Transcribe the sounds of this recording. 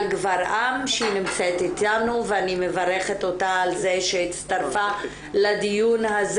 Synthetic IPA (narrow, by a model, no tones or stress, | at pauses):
lɡvaɾʔamʃinimt͡set̪it̪anuveanimevaɾeχet̪o̞taːlzeʃeitt͡st̪aɾfa | lad̪ijunhaz